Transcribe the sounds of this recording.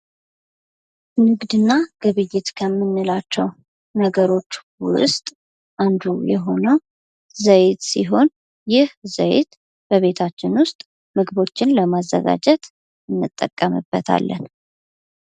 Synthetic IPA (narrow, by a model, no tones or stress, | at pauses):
nɨɡd̪ɨnːaɡ̥ɨβɨjːɪt̪kʰəmːɨnːɨlat͡ʃːɛw | nəɡəɾo̞t͡ʃːwʊst̪ʼ | ʔand̪ujɛɦo̞nəw | zəjt̪siɦo̞n | jɪhzəj̰t̪ | b̥əβe̞t̪ʰat͡ʃːɪnwʊst̪ʼ | mɨɡɨβo̞t͡ʃːɪnləmazːə̰ɡa̰d͡ʒɛt̪ | ɨnːɨt̪ʼːə̰kʼːəmɨ̰bːət̪ʰa̰lːə̰n